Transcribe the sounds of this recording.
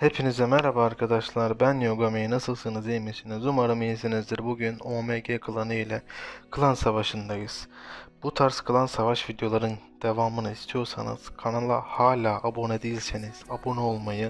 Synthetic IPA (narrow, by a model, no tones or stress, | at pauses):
hepʰinizɛmɛɾabaːɾkʰad̪aʃlˠaɾbænjoɡamejinasɯlˠsɯnɯzejmisinizumaɾɯmijesinizd̪iɾbuɟynomeɟekʰɯlˠanɯilʲɛkʰɯlˠansavaʃɯnd̪ajɯz̥b̥ut̪ʰaɾskʰɯlˠansavaʃvid̪jo̞lˠaɾɯn | d̪̥e̞vaːmɯnɯist̪ʰijo̞ɾsa̰nɯ̰z̥kʰanalˠahaːlʲaːʔabo̞nɛd̪ejilʲseniz̥abo̞nɛolˠmajɯ